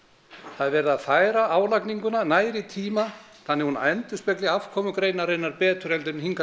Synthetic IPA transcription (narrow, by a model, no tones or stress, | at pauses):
θaðɛvɛːɾɪðaðθaːjɾaʔaːwlakniŋkʏnanaːjɾɪt̪ʰiːma | θanːɪhunaɛnt̪ʏ̥spɛklɪav̥kʰɔːmʏkɾejnaɾejnːaɾpɛːt̪ʰʏɾɛlt̪̬ʏɾmɦiŋka